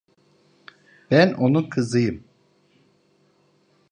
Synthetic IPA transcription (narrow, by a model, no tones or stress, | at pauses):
b̥ænʔo̞nukʰɯzɯjɯm